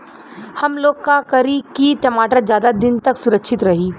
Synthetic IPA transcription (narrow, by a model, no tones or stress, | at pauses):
hɐmloːɡkakɐɾikiʈɐmaːʈəɾd͡ʒjaːd̪ad̪ɪnt̪ɐksʊɾəkʃʰɪt̪ɾɐɦiː